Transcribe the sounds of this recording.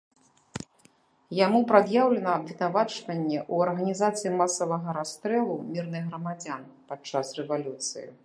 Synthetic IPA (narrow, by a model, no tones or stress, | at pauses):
jamupɾad̪jawlʲɛnɐːbvʲinavat͡ʂvɐnʲːɛʔuɐrɣɐnʲizat̪sɨjimasɐvɐɣɐɾast̪ɾɛlˠumʲirnɨɣɣɾɐmad͡zʲanpat͡ʂːasrɛvalʲut̪sɨ̰jḭ